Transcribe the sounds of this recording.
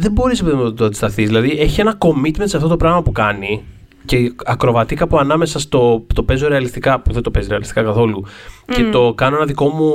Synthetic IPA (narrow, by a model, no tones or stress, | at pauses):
ðe̞bo̞ɾisepeðinmɐɐt̪oɐnd̪ist̪ɐθizðilɐðie̞çie̞nɐko̞mit̪mensɐft̪ot̪opɾɐɣmɐpukɐni | ce̞ɐkɾo̞vɐt̪ikɐpuɐnɐme̞sɐst̪o̞t̪o̞pe̞zo̞ɾe̞ɐlist̪ikɐpuðend̪o̞pesɾeɐlist̪i̥kɐkɐθo̞luce̞t̪o̞kɐno̞enɐðiko̞mu